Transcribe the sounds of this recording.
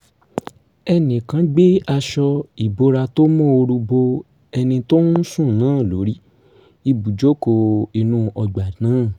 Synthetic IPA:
ɛ˧nĩ˨kã˨˦ɡ͡be˦a˧ʃɔ˧i˨bo˨˦ɾa˧to˦mɔ̃˦o˧ɾu˧bo˧ | ɛ˧nĩ˧to˦ñ̩˦sũ˦˨nãː˨˦˨lo̰˨˦ɾi˦ | i˧bu˨d͡ʒo˦ko˧i˧nũ˦ɔ˧ɡ͡ba˨nãː˨˦

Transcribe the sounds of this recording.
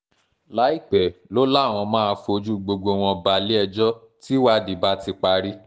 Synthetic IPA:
la˨˦i˦˨k͡pɛ˨lo˦la˦˨w̃ɔ̃˧mãː˦a˧fo˧d͡ʒu˦ɡ͡bo˧ɡo˧w̃ɔ̃˧ba˧li˦ɛ˧d͡ʒɔ˦ | ti˦wa˦di˨ba˦ti˧k͡pa˧ɾi˦

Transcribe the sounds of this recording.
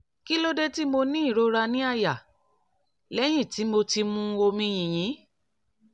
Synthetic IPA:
ki˦lo˦de˦ti˦mo˧nĩ˦i˦˨ɾo˧ɾa˧nĩ˦a˦˨ja˨ | lɛ˨˦j̃ĩ˦˨ti˨˦mo˧ti˧mũ˧o˧mĩ˧j̃ĩ˨j̃ĩ˨˦

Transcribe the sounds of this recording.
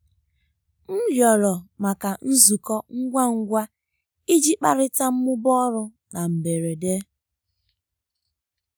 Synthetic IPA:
m̩˦ɦjɔ˨lɔ˨ma˨ka˨n̩˦zu˨kɔ˦ŋ̩˦ɡʷa˦ŋ̩˦ɡʷa˦ | i˦d͡ʒi˦k͡pa˦ɾɪ˦ta˦m̩˦mʊ˦bɔ˦ɾʊ˦ | na˨m̩˨be˨ɾe˨de˦

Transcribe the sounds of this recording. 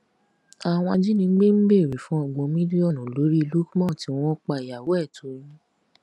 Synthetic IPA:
a˨w̃ɔ̃˧d͡ʒi˦nĩ˧˦ɡ͡be˦m̩˦be˦˨ɾi˨˦fũ˦ɔ˨ɡ͡bɔ̃˧mĩ˦di˦ɔ˦˨nũ˨lo˨˦ɾi˦˧lu˦kmɔ̃˦˨tĩ˨˧˦ɔ̃˦k͡pa˧˨i˨ja˨wo˨˦ɛ˦˨to˨˦jĩ˦

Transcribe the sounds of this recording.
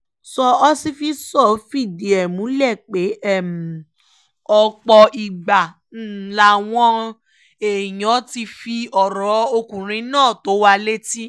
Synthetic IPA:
sɔ˧ɔ˦si˦fi˧˦sɔ˦˨fi˦˨di˨ɛ˨mũ˨˦lɛ˦˨k͡pe˨˦ɛ˦˨m̩˨ | ɔ˧k͡pɔ˧i˨ɡ͡ba˨˦˨ | la˨˦˨w̃ɔ̃˦ | e˨j̃ɔ̃˨˦ti˧fi˧ɔ˨ɾɔ˨˦o˧kũ˨ɾ̃ĩ˧˦nãː˦˨to˨˦wa˧le˦ti˦

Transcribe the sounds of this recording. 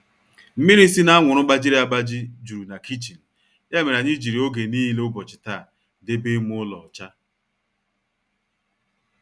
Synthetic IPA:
m̩˦mi˦ɾi˦si˦na˦a˦ŋʷʊ˨ɾʊ˦ɡ͡ba˦d͡ʒi˦ɾe˦a˦ɡ͡ba˦d͡ʒɪ˦d͡ʒu˨ɾu˨na˨kʰi˦t͡ʃi˨n̩˨ | ja˦me˨ɾa˨ɲi˦d͡ʒi˨ɾi˨o˦ɡe˨niː˦le˦ʊ˦bɔ˨t͡ʃɪ̥˨ta˦˨ | de˦be˦mʊ˦ʊ˦lɔ˨t͡ʃa˦

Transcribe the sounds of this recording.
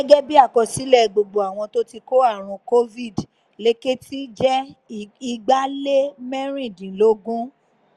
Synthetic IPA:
ɛ˦ɡɛ˦bi˦a˦˨kɔ˧si˨˦lɛ˦˨ɡ͡bo˨ɡ͡bo˨a˨w̃ɔ̃˧to˦ti˧ko˦a˦˨ɾ̃ũ˧ko˦vi˦˨d | le˦ke˦ti˦d͡ʒɛ˦i˧ɡ͡ba˦le˦mɛ˦ɾ̃ĩ˦˨dĩ˨lo˦ɡũ˦

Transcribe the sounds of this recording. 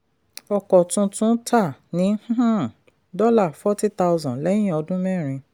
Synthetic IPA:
ɔ˧kɔ˨tũ˧tũ˦tʰa˦˨nĩ˨˦h̩˦˨ | dɔ˦la˦˨fɔ˦ti˦ta˦wzɔ̃˨lɛ̃˦ĩ˦˨ɔ˧dũ˦mɛ̃˦˨ɾ̃ĩ˧

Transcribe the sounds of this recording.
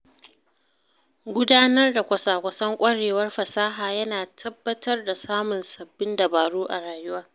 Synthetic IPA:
ɡʷʊ˦daː˦nɐ˦rda˨kʷɐ˨saː˨kʷɐ˨˦sɐ˦ŋkʷʼɐ˦ɽeː˨wɐ˦rɸɐ˨saː˦ɦaː˨jɐ˦naː˨tʰɐ˦bːɐ˦tʰɐ˦rda˨saː˦mʊ˨nsɐ˨bːɪ˦nda˨baː˨ɽuː˦ʔa̰˨ɽaː˨jʊ˦waː˦

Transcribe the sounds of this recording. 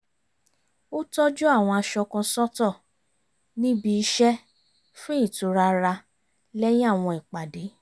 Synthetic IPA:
o˦tɔ˦d͡ʒu˦a˦˨w̃ɔ̃˧a˧ʃɔ˧kɔ̃˧sɔ˦tɔ˦˨ | nĩ˦bi˧i˧˦ʃɛ˦ | fũ˦i˦˨tu˨˧ɾa˧ɾa˧ | lɛ˦j̃ĩ˦a˦˨w̃ɔ̃˧i˨k͡pa˨de˨˦

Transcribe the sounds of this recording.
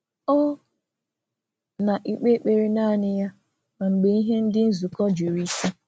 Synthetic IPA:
ɔ˦ | na˨ʔi˨k͡pe˦k͡pe˨ɾi˨naː˦˨nɪ˦ja˦ | ma˨ŋ͡m̩˨ɡ͡be˨i˦ɦe˦n̩˦dɪ˦n̩˦zu˨kɔ˦d͡ʒe˨ɾi˦ke˦

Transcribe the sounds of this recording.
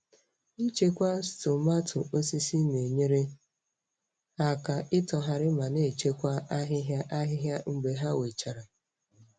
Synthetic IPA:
i˦t͡ʃe˦kʷa˦sto˨ma˦tʰʊ˨o˦si˦si˦ne˨ɲe˦ɾe˦ | a˨ka˨ʔɪ˦tɔ˨ɦa˨ɾɪ˦ma˨ne˦˨t͡ʃe˦kʷa˦a˦ɦɪ˦ɦja˦ʔa˦ɦɪ˦ɦja˦ŋ͡m̩˦ɡ͡be˨ɦa˦we˨t͡ʃa˨ɾa˨

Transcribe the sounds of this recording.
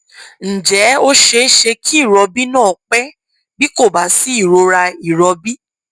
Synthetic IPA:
n̩˨d͡ʒɛ˨˦o˦ʃe˧˦ʃe˧kʰi˦i˦˨ɾɔ˧bi˦nãː˦˨k͡pɛ˦ | bi˦ko˦˨ba˨˦si˦i˦˨ɾo˧ɾa˧i˨ɾɔ˧bi˦

